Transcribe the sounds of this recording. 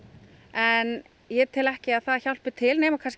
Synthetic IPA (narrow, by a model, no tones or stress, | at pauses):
ɛn | jɛt̪ʰɪlɛhcɪaðθaðçawl̥pɪt̪ʰɪlneːjmakʰans